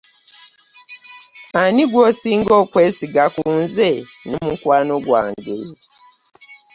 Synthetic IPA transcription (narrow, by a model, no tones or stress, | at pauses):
anĩɡuɔsiŋ̩ɡɔkʷɛsiɡakun̩zɛnʊ̃mũŋkwanʊ̃ɡwa̰nde